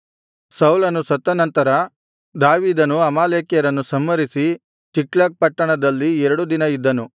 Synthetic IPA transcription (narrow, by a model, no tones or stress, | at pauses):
sɐwulɐnusɐt̪ːɐnɐnt̪ɐɾɐ | d̪aːʋiːd̪ɐnuɐmaːleːkjɐɾɐnːusɐmːɐɾisi | t͡ʃiklɐːk̚pɐʈːɐɳɐd̪ɐlːiɛɾɐɽud̪inɐid̪ːɐnu